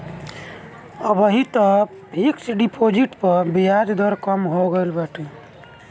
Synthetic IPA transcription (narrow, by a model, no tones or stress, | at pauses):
əbəɦit̪ɔ | bʱiksɖipʰod͡ʒiʈpəɾbijad͡ʒ̪d̪əɾkəmɦoɡelbaʈʰi